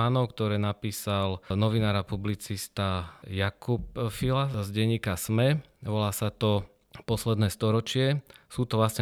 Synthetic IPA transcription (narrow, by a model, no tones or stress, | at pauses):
anɔʊkt̪ɔɾɛːnapiːsalnɔʋinaːɾapublit͡sist̪ajakupfilazɟɛɲːiːkasmɛʋɔlaːsat̪ɔ | pɔslɛd̪nɛːst̪ɔɾɔt͡ʃɪɛsuːt̪ɔʋlasɲɛ